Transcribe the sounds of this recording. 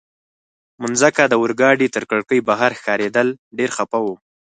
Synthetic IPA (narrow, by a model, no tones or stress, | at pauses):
mʊnzakad̪əwʊɾɡɑɖit̪əɾkəɽkəjbaɦaɾxkɑɾed̪əlɖeɾxapawu